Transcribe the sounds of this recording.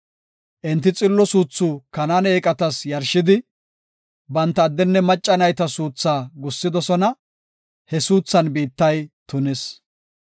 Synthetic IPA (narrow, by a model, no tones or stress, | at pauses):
ʔɪnt̪ːɪt͡sʼɪlːɔsuːt͡sːukɐnaːneːkʼɐt̪ɐsjɐɾʃɪd̪ɪ | bɐnt̪ːɐːd̪ːɛnːɛmɐt͡ʃʼːɐnɐjt̪ɐsuːt͡sːaːɡʊsːɪd̪ɔsɔnɐ | hɛsuːt͡sːɐnbiːt̪ːɐjt̪ʊnɪs